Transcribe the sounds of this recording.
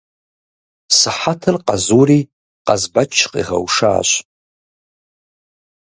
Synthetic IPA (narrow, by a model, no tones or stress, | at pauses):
sɨħatʰɨrqʼazuri | qʼazbat͡ʃʰːqʼḭʁa̰wʂa̰ːɕʷ